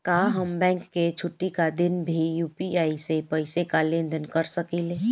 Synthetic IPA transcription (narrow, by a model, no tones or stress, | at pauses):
kaːɦəmbɛ̃ːŋkːet͡ʃʰʊʈːikad̪ɪnbʱijuːpiaːisepəɪsekalẽnd̪ənkəɾsəkile